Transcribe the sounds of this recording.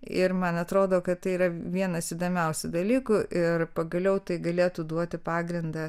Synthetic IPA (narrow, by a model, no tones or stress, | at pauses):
ɪɾmɐnɐt̪ɾoːd̪oːkɐt̪t̪ɐɪiːɾɐʋʲiɛnɐsiːd̪oːmʲɛʊsʲʊd̪ɐlʲiːkʊʔɪrpɐɡɐlʲɛʊt̪ɐɪɡɐlʲeːt̪ud̪uɔt̪ʲɪpɑːɡɾʲɪnd̪ɐ